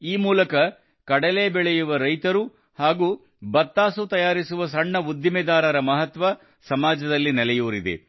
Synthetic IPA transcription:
iːmuːlɐkɐ | kɐɽɐleːbɛɭɛjuʋɐɾɐjt̪ɐɾu | haːɡuː | bɐt̪ːaːsut̪ɐjaːɾisuʋɐs̬ɐɳːɐud̪jimɛd̪aːɾɐɾɐmɐɦɐt̪ʋɐ | sɐmaːd͡ʒɐd̪ɐlːinɛlɛjuːɾid̪ḛ

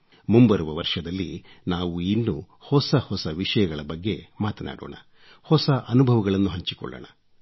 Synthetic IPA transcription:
mumbɐɾuʋɐʋɐɾʂɐd̪ɐlːinaːʋuinːṵ | hɔsɐhɔsɐʋiʂɐjɐɡɐɭɐbɐɡːe̞maːt̪ɐna̰ːɽo̰ːɳɐ | hɔsɐʔɐnubʱɐʋɐɡɐɭɐnːuɦɐɲt͡ʃikɔ̰ɭːɐ̰ɳɐ

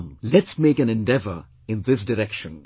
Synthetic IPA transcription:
mlɨtsmeɪkɨ̃nɨ̃ndɛvə˞ | ɨ̃nðɪs̬d̥ɨɹɛkʃɨ̃n

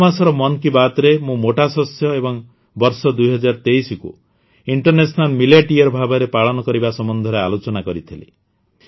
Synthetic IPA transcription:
masɔɾɔmɔnkibat̪ɔɾemũmoʈasɔsjɔebɔŋ | bɔɾsɔd̪ujɦɔd͡ʒaɾɔt̪eisɔkṵ | iɳʈɔɾnesɔnalmiljaʈiɔɾbʱabɔɾepaɭɔnɔkɔɾibasɔmɔnd̪ʱɔɾealot͡ʃɔnakɔɾit̪ʰilḭ

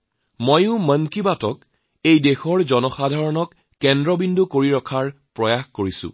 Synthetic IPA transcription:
mojʊ̃məŋkibatɔk | ejdexɔɹzɔnɔxadʱaɹɔnɔkː | ɛndɹɔbindʱukoɹiɹɔkʰaɹpɹɔjaxkoɹisʊ̰̃

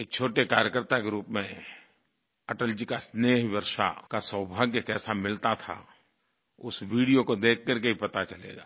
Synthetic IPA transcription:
eːk̚t͡ʃʰoːʈekaːɾjəkəɾt̪akeɾuːpmẽ | əʈəld͡ʒikasneːɦʋəɾʃa̰kasə̃wbʱaːɡekɛːsamɪlt̪at̪ʰa̰ | ʊsʋiːɽijokod̪eːk̚ʰkəɾkeipɐt̪at͡ʃɐlḛːɡa̰ː

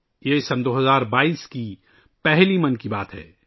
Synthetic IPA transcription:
jesɐnd̪oːɦɐzaːɾbaːiːski | pɛɦlimɐnkibaːt̪ɦɛ̰ː

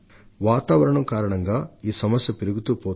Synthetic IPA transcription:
ʋaːt̪aːʋɐɾɐɳɐmkaːɾɐɳɐŋɡaːiːsɐmɐsjɐpiɾuɡut̪uːpoː

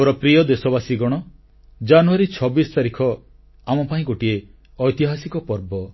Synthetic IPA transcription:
ɾɔpɾijɔd̪esɔbasiɡɔɽ̃ɔ | d͡ʒanuaɾit͡ʃʰɔbisɔ̥t̪aɾikʰɔ | amɔpaĩɡoʈie | ɔjt̪iɦasikɔpɔɾbɔ

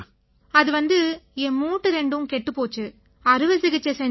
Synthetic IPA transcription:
ɐðɯʋɐnd̪ɯɛmuːʈːɯɾɛɳɖɯʋɯmkɛʈːɯpoːt͡ʃːɯ | ɐɾɯʋɐsɪɣɪt͡ʃːɐsɛɲ

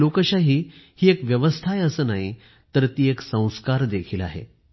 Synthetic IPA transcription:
okəɕaɦiːhiːekʋjəʋəst̪ʰajəsəːnaɦi | t̪əɾt̪iːeksə̃w̃skaɾd̪ekʰiːla̰ɦḛ

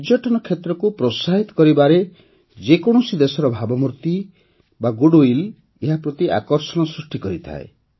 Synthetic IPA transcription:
d͡ʒjɔʈɔnɔkʰjet̪ɾɔkupɾosaɦit̪ɔ̥kɔɾibaɾe | d͡ʒekɔɽ̃ɔsid̪esɔɾɔbʱabɔmuɾt̪i | baɡuɽoil | eɦapɾɔt̪iʔa̰kɔɾsɔɽ̃ɔsɾusʈikɔɾit̪ʰa̰e

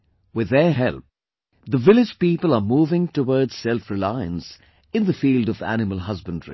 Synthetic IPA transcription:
wɪðːəɦɛlˠp̚ | ðəvɪlɪd͡ʒpiːpəlˠəmuːvɪ̃ŋtəwɔːdz̥sɛlfɹɪlaɪə̰̃ns | ɨ̃nðəfiːldʌvæ̰nɪməlˠɦʌzbə̃ndəɹḭ

